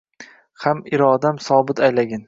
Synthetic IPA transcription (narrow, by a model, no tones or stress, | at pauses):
hamɪɾɒd̪amsɒːbɪt̪ʰajlaɡʲan